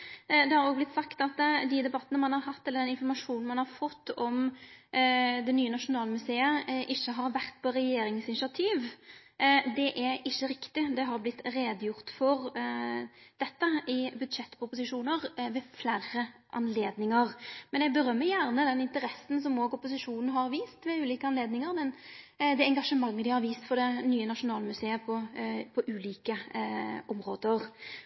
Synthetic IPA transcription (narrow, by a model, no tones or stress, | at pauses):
d̪ɛhɑɾoːɡblɪt̪sɑkt̪ɑt̪d̪id̪ɛbɑt̪ːənəmɑnhɑɾɦɑt̪ːɛləɾd̪ɛnɪnfɔɾmɑʂuːnn̩mɑnhɑɾfɔt̪ːɔm | d̪ɛnyːənɑʂʊnɑːləmʉseːəʔɪçːəɦɑɾʋæɾt̪̚pʰɔɾɛjeːɾɪŋsɪnɪsɑt̪ʰiːʋ | d̪ɛʔɛɾɪçːəɾɪkt̪ɪd̪ɛɦɑɾblɪt̪ːɾeːd̪jʊɾt̪fɔɾ | d̪̥ɛt̪ːəɪbʉd̪ʂɛt̪ːpʊpʊsɪʂuːnəɾʋɛflæːɾəʔɑ̰nleːd̪nɪŋəɾmɛnjɛɡbəɾœmːəjæɾnəd̪ɛnɪnt̪əɾɛsn̩s̬ɔmoːɡʊpʊsɪʂuːnn̩ɦɑɾʋiːst̪ʋɛʉːliːkəɑnleːd̪nɪŋəɾmɛn | d̪ɛɛŋɡɑʂəmɑŋːəd̪ɪhɑɾʋiːst̪fɔɾd̪ɛnyːənɑʂʊnɑːləmʉseːəpʰɔpʰɔʔʉːliːkəʔɔmɾoːd̪əɾ